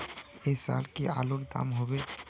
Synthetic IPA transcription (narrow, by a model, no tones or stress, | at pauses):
esa̰lkialoɾd̪a̰mɦɔbe